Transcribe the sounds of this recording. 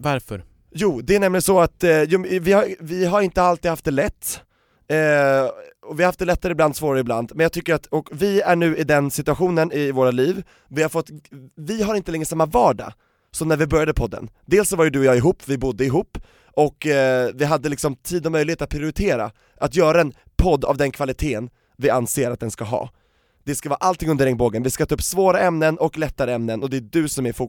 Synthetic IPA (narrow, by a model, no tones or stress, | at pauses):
vaɾfœɾ | juːd̪ɛæɳɛmlɪɡənsɔat̪juːvɪhaɾvɪɦaɾɪnt̪əalt̪iːd̪haft̪d̪ɛlɛt̪ː | ɔvɪhahaft̪d̪ɛlɛt̪ʰːaɾəɪbland̪svoːɾaɾəɪbla̰nd̪mɛnjɑɡt̪ʏkːəɾat̪ɔkvɪæɳʉ̟ːɪd̪ɛnsɪt̪ɵaɧuːnənɪvoːɾaliːv | vɪhaɾfɔt̪ːvɪɦaɾɪnt̪əlɛŋːɾəsamːavɑːɖɑ̰ | sɔmnæɾvɪbœɾjad̪əpʰɔd̪ːə̰nd̪eːlsɔvaɾjɵd̪ɵɔjɑːɡɪɦuːpːvɪbʊd̪ːəɪɦuːpː | ɔkvɪɦad̪ːəlɪksɔmt̪ʰiːd̪ɔmœjlɪeːt̪at̪̚pʰɾɪʊɾɪt̪ʰeːɾa̰ | ʔat̪jœːɾaɛn | pʰɔd̪ːa̰vd̪ɛnkʰvalɪt̪ʰeːn | vɪanseːɾa̰t̪̚d̪ɛnskaɦɑ̰ː | d̪ɛskavɑːɾaʔalt̪ʰɪŋɵnd̪əɾɛŋboːɡənvɪskat̪ʰɑːɵpːsvoːɾaɛmnənʔɔklɛt̪ːaɾəɛmnənɔd̪ɛdɵsɔmæɾfu